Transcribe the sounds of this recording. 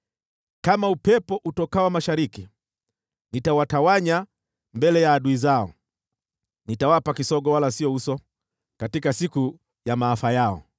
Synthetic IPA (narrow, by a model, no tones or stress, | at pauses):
kamaupɛpɔʔutɔkawamaʃaɾiki | nitawatawaɲa | mbɛlɛjaːɗuizaɔ̰ | nitawapakisɔɡɔwalasiɔusɔ | katikasiku | jamaːfajaɔ̰